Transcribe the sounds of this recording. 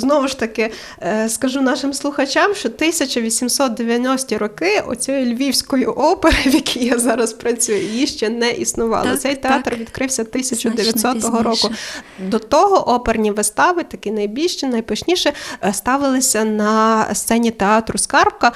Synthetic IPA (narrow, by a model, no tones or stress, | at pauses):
znɔʋʊʃt̪ɐkɪ | skɐʒunɑʃɪmslˠʊxɐt͡ʃʲɑmʃt͡ʃɔt̪ɪsʲɐt͡ʃɐʋʲisʲimsɔt̪̚d̪eʋʲjɐnʲɔsʲtʲiɾɔkɪɔ̰t͡sʲɔjʊlʲʋʲiwsʲkɔjʊʔɔpeɾɪʋʲjɐkʲʰijjazɑɾɐspɾɐt͡sʲujʊjiʃt͡ʃɛnɛʔisnʊʋɑ̰lˠɪ̰t̪sɛjt̪eɑt̪rʋʲid̪kɾɪwsʲɐt̪ɪsʲɐt͡ʃʊd̪eʋʲjɐt̪ʲsɔt̪ɔɦɔɾɔkʊd̪ɔt̪ɔɦɔʔɔpernʲiʋɪst̪ɑʋɪt̪ɐkɪnɐjbʲilʲʃt͡ʃɛnɐjpɐʃnʲiʃɛst̪ɑʋɪlˠɪsʲɐnɐst̪sɛnʲit̪eɑt̪ɾʊskɑrp̚kɐ